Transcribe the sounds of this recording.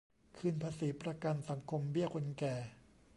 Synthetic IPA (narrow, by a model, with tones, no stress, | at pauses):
kʰɯː˧npʰaː˧siː˩˦pɾa˧ka˧nsa˩˦ŋkʰo˧mbi˥˩ɐkʰo˧nkɛː˨˩